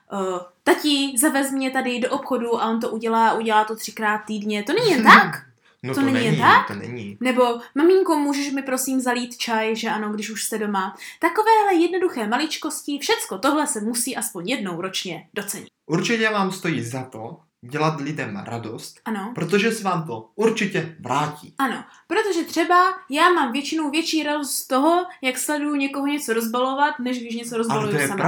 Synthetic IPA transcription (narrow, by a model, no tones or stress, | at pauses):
t̪acɪzavɛzmɲɛt̪adɪdoʔopxo̞duʔaʔo̞nt̪̬oʔuɟɛlaːaʔuɟɛlaːt̪ot̪r̝̥ɪ̥kɾaːt̪̚tːiːdɲɛt̪o̞nɛɲiːjɛnt̪ak | t̪onɛɲɪjɛnt̪ak̪nɛ̰ɲḭnɛbo̞mamɪŋkomuːʒɛʃmɪpɾo̞siːmzaliːt̪t͡ʃajʒɛʔano̞ɡdɪʃuʃst̪ɛdo̞mat̪ako̞vɛːlɛjɛdno̞duxɛːmalɪt͡ʃko̞scɪfʃɛt͡skot̪o̞ɦlɛsɛmusiːʔaspo̞ɲjɛdnowɾo̞t͡ʃɲɛd̥o̞t͡sɛɲɪ̰t̪ʔuɾt͡ʃɪcɛvaːmst̪o̞jiːzat̪o | ɟɛlat̪lɪdɛmɾa̰dost̪ʔano̞pɾot̪̬oʒɛsɛvaːmt̪ouɾt͡ʃɪcɛvɾaːcḭːʔano̞ | pɾot̪o̞ʒɛt̪r̝̥ɛbajaːmaːmvjɛt͡ʃɪnowvjɛt͡ʃiːɾadost̪t̪oɦo̞jakslɛdujuɲɛkoɦoɲɛt͡so̞ɾo̞zbalo̞vat̪nɛʃɡdɪʃ̬ɲɛt͡so̞ɾozbaujuoɛam